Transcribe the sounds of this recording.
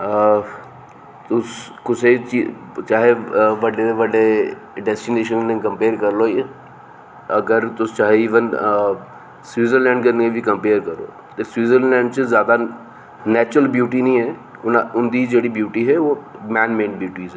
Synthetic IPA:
t̪ʊskʊset͡ʃi | t͡ʃaːɦeʋɐɖeeʋɐɖe | ɖɛsʈineːʃ̬ənnẽkɐ̃mpeːɾkɐɾloː | ɐɡəɾt̪ʊst͡ʃaːɦeɪʋən | swiːzəɾlɛ̃ːɳɖkɐɾnɡebʱikɐ̃mpeːɾkɐɾo̰ː | t̪eswiːzəɾlɛ̃ːɳɖt͡ʃəzjaːd̪a | nɛːt͡ʃɾəlbjuːʈinĩːɦɛ | ʊʊnd̪id͡ʒeːɽibjuːʈiɦɛʋomɛ̃ːnmẽːnbjuːʈiːzɛ

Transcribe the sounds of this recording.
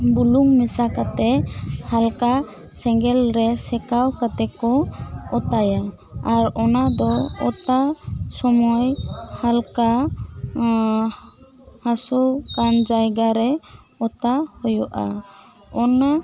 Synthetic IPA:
buluŋmɛsakat̪ɛhalka | sɛŋɡɛlɾɛsɛkawkat̪ɛkɔɔt̪ajaː | ɾɔnad̪ɔɔt̪asɔmɔjhalka | hasɔkand͡ʒajɡaɾɛ | ɔt̪ahɔjɔʔa̰ | ɔna

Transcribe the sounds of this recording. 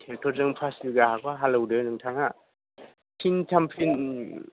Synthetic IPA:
tʰeltʰɔɾzɯŋpʰasbiɡaɦakʰaɦalɯwdɯnɯŋtʰaŋa | pʰintʰampʰin

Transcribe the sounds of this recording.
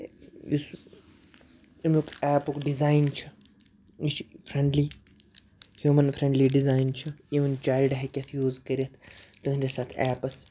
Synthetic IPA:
is | imukʰɛːpukɖizaːjnt͡ʃʰɨ | it͡ʃʰpʰɾẽɳɖliː | hjuːmɐnfʰɾẽɳɖliːɖizaːjnt͡ʃʰɨiːʋɐnt͡ʃaːilɖɦekʲɐt̪ʰjuːzkɐɾʲiɐt̪ʰt̪uinʲd̪esaːt̪ʰɛːpɐs

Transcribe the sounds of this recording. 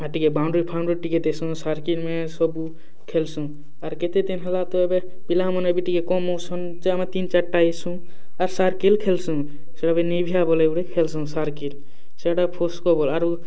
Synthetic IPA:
aʈikebawɳɖɾipʰaʊɳɖɾiʈiket̪esũsaɾkilmẽsɔbu | kʰelsũ | aɾket̪et̪enɦəlat̪ɔebe | bilamɔnmebiʈikekɔmosʰɔn | t͡ʃeamet̪int͡ʃəʈːaesũ | aɾsaɾkilkʰelsũ | seɽabenibʱijabɔleuɽekʰelsũsaɾkil | seɽapʰoskɔbɔlaɾu

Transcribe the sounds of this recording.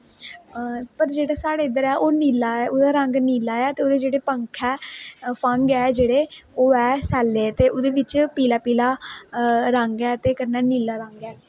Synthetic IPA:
pəɾd͡ʒeːɽaːsaːɽeːɪd̪əɾɛːʔoːniːlaːɛːʔʊd̪aːɾəŋɡniːlaːɛːt̪eːoːd̪eːd͡ʒeːɽeːpəŋkʰɛːpʰəŋɡɛːd͡ʒeːɽeːoːɛːsɛːlːeːt̪eːʔod̪eːʋɪt͡ʃpiːlaːpiːlaː | ɾəŋɡɛːt̪eːkəɾnɛːniːlaːɾəŋɡɛː

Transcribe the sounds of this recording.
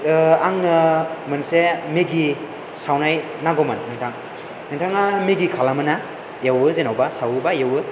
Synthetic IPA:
aŋnɯmɯnsemiɡi | sawnaj | naɡɔmannintʰaŋ | nintʰaŋamiɡikʰalamɯna | jawɯzenawbasawbajawɯ

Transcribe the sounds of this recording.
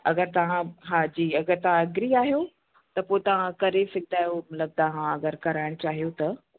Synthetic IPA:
ɐɡəɾt̪ɐʋãɦaːd͡ʑiːɐɡəɾt̪ɐʋ̤ãɐɡɾiaːɦijo | t̪ɐpoːɪt̪ɐʋ̤ãkɐɾefɪk̚d̪aːɦijomɐt̪ləb̚t̪ɐʋ̤ãɐɡəɾkɐɾaːɪɽ̃ʊt͡ɕaːɦijot̪ɐ

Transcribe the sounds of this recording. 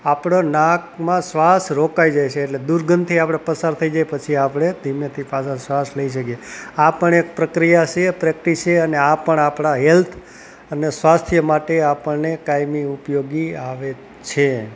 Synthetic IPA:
apɽonakmãsʋasɾokaid͡ʒajt͡ʃʰeːʈled̪uɾɡʱənt̪ʰiapɽ̃epəsaɾt̪ʰəid͡ʒajpət͡ʃʰiapɽ̃ed̪ʱimjət̪ʰipasʰasʋasləiʃ̬əkijeapəɳek̚pɾəkɾijat͡ʃʰepɾɛk̚ʈit͡ʃʰeəneapəɳapɳ̃aɦɛlt̪ʰ | ənesʋast̪ʰjəmaʈeapəɳnekajmiupjoɡiaʋe | t͡ʃʰe

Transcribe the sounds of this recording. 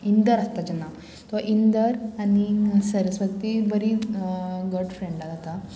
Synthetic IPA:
ind̪əɾast̪ad͡ʑənːa | t̪ɔʔind̪əɾanisəɾəsʋət̪ibəɾi | ɡuɖfɾeɳɖasat̪a

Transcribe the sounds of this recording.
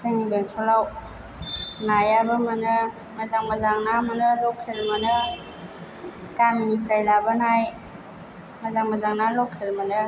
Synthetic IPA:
sɯŋibeŋsʰɔlaw | najabamanɯ | mazaŋmazaŋnamanɯlɔkʰelmanɯ | taminipʰɾajlabanaj | mazaŋmazaŋnalɔkʰelmanɯ

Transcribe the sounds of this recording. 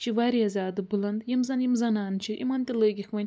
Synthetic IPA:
t͡ʃʰiʋaɾiɐzaːd̪ɨbulɐnd̪jimzɐnjimzɐnaːnt͡ʃʰiʔḭmɐnt̪iləːɡʲikʰʋɐnʲ

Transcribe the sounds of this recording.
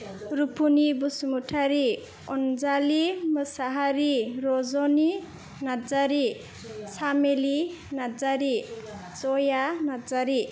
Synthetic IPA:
ɾupʰunibusmuʈʰaɾi | ɔnd͡zaliməsaɦaɾiɾɔzɔni | nad͡zaɾi | samelinad͡zaɾit͡sɔjanad͡zaɾi

